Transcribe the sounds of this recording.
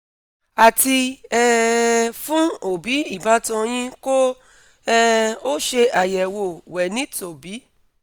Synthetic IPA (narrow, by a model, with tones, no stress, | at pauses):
a˨ti˧ɛ˧fũ˦o˨bi˨˦i˦˨ba˨˦tɔ̃˧j̃ĩ˧ko˦ | ɛ˧o˦ʃe˧a˨jɛ˨wo˨wɛ˨nĩ˦to˨bi˨˦